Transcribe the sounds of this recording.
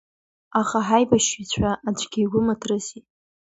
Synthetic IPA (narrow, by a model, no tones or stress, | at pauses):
aχaħajbaʃit͡ɕʷʰaʔːd͡ʒʷɡʲijɡʷʊmatʰrɨsi